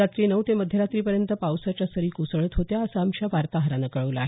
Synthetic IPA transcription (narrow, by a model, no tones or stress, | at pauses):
at̪ɾiːnəʋt̪eməd̪ʱjəɾat̪ɾiːpəɾjənt̪əpawsat͡ɕjasəɾiːkusəɭət̪ɦot̪jaəsəamɕaʋaɾt̪aɦəɾanəkəɭəʋləa̰ɦe